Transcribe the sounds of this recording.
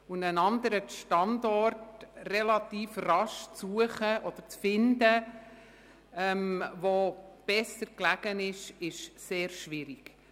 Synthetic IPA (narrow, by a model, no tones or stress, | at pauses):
ʊndənɑnd̪əɾəʃtɑndɔrtrɛlɑt̪iːfrɑʃt͡suəχəʔɔd̪̥əɾt͡sfɪndə | ɛmʋob̥ɛsəɾklæɡənɪʃɪʃseːɾʃʋɪɾiɡ̥